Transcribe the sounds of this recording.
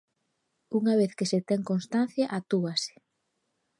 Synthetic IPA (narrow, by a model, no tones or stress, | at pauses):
uŋaβ̞eθkeset̪ɛŋkonst̪an̟θjaʔat̪uase̥